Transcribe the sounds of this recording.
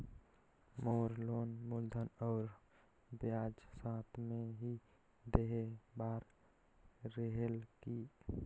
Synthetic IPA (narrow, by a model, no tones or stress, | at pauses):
moːɾloːnmuld̪ʱənɔːɾ | bjad͡ʒsaːt̪ʰmẽɦi | d̪eɦebaːɾ | ɾəɦelki